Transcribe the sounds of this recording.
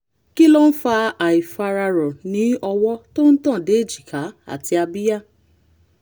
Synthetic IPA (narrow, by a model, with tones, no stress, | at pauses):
ki˦lɔ˦n̩˦fa˧a˨i˨fa˧ɾa˧ɾɔ˨nĩ˨˦ɔ˧wɔ˦to˦n̩˦tã˦˨de˨˦e˦˨d͡ʒi˨ka˨˦a̰˦˨ti˧a˧bi˦ja˦˨